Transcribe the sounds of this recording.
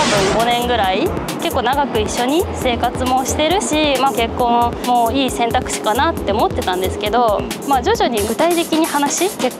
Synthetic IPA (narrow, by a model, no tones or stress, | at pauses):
t̪abɯ̟̃ŋɡo̞nẽ̞ŋɡɯ̟ɾai | ke̞kːo̞ːnaɡakɯ̟iɕːo̞ɲ̟ise̞ːkat͡sɨmo̞ɕi̥t̪e̞ɾɯ̟ɕimake̞kːõ̞mo̞ːiːsẽ̞nt̪akɯ̟̥ɕi̥kanat̪ːe̞omo̞t̪ːe̞t̪ãnd̪e̞sɨ̥ke̞d̪o̞ | maːd͡ʑo̞ʑoɲ̟iɡɯ̟t̪ait̪e̞kʲiɲ̟ihanaɕike̞kː